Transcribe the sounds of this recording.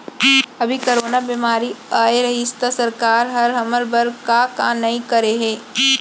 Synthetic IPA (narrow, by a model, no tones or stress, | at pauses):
ɐbʱikɐɾoːnabimaːɾiaːeɾɐɦist̪asɐɾkaːɾɦɐɾɦɐməlbɐɾkakaːnɐɦĩkɐɾeɦɛ̃ː